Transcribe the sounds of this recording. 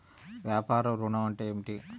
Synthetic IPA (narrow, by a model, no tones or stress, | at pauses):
ʋjaːpaːɾɐmɾunɐmɐɳʈeemiʈi